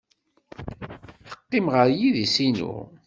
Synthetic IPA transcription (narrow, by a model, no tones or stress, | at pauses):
θə̥qːimʁəɾjiðisinṵ